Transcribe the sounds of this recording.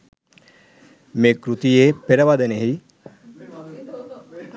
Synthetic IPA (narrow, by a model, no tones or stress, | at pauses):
meːkɾut̪ijeːpeɾəʋad̪eneɦi